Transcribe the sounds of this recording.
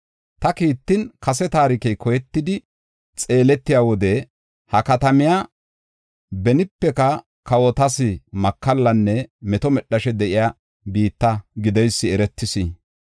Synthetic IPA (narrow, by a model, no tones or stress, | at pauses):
t̪ɐkiːt̪ːɪnkɐs̬ɛt̪aːɾɪkɛjkɔjɛt̪ːɪd̪ɪ | t͡sʼe̞ːlɛt̪ːɪjaːwɔd̪ɛ | hɐkɐt̪ɐmɪjaː | bɛnɪpːɛkɐ | kɐwɔt̪ɐsɪmɐkːɐlːɐnːɛmɛt̪ɔmɛɗːɐʃɛd̪ɛʔɪjaː | biːt̪ːɐɡɪd̪ɛjsːɪɛɾɛt̪ːɪsi